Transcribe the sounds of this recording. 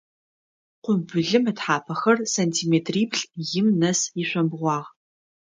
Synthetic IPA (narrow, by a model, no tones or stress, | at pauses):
qʷʊbʊɮɨmɨtħaːpʰɐxɐrsantʰiːmeːtʰriːbɬjɪmnɐsiɕʷɐmbʁʷɑːʁ